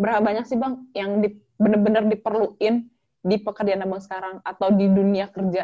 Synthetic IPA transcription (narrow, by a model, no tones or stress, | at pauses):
bəɾɦalbaɲak̚sihbaŋjaŋdi | bənərbənərdipərluɪn | dipəkərd͡ʒanabaŋsə̥kaɾaŋat̪awdiduniakərd͡ʒa